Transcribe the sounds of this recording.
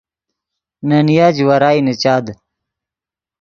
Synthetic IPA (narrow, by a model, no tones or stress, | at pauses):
nɐnijaːd͡ʑwɐɾaːinət͡ɕaːd̪